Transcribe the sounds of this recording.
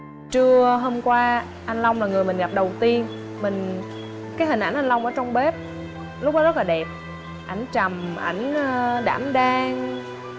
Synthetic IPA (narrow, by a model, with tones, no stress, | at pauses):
t͡ɕɨ˧əɦo˧mkwaː˧ | ʔa˧nla˧wŋ͡mlaː˨˩ŋɨ˨˩əjmï˨˩ŋ̟ɣa˨˩p̚ɗə˨˩wt̪i˧ən | mï˨˩ŋ̟ | kaː˨˦jɦï˨˩ŋ̟ʔa̰˧˩˦nʔa˧jn̟la˧wŋ͡mʔəː˧˩˦t͡ɕɔ˧wŋ͡mɓe˦˥p̚ | lʊ˦˥k͡p̚nɔ˦zə˦˥laː˨˩ɛ˨˩p̚ | ʔa˧˩jŋ̟t͡ɕa˨˩mʔa̰˧˩jŋ̟ː˧ɗa̰ː˧˩mɗaː˧ŋ